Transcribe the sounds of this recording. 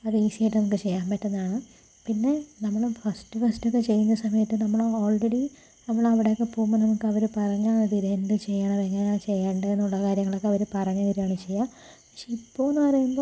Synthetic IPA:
ɐðɨiːsiejʈːɐnɐmukːɨt͡ɕe̞jːaːmpɐtːɐnːaːɳɨ | pinːe̞nɐmːɐɭufɐstɨfɐstokːet͡ɕe̞jːunːɐsɐmɐjɐtːɨnɐmːɐɭoːlreɽi | nɐmːɐɭɐʋiɽe̞jokːepoːmːɐnɐmukːɨɐʋɐɾupɐrɐɲːaːɐd̪iɾenɖɨt͡ɕe̞jːaːɳɐʋeŋːɐneat͡ɕe̞jːaːɳɖɐenːuɭːɐkaːɾjɐŋːɐɭo̞kːeɐʋɐɾupɐrɐɲːɐʋiɾuaːɳɐt͡ɕe̞jːaː | pɐkʂeipːo̞ːenːɨpɐrɐjumbo̞ː

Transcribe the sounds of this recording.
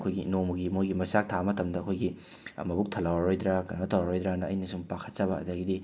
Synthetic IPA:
kʰojɡinomɐɡimojɡimɐsak̚tʰamɐtɐmdɐːkʰojɡḭ | mɐbuk̚tʰɐlawaɾojd̪ɾakɐnɐtʰɐwɾaɾojd̪ɾanɐːjnɐsuŋpakʰɐ̥t̚t͡ʃɐβɐɐ̰dɐɡidi

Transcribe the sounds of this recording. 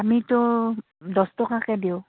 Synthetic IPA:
amitʊ | dɔstɔkakɛdiʊ

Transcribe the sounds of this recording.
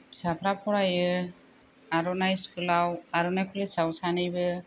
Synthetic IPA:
sapʰɾapʰɔɾajɯ | aɾɔnajskɯlawaɾɔnajkʰɯlɯsawsanɯjbɯ

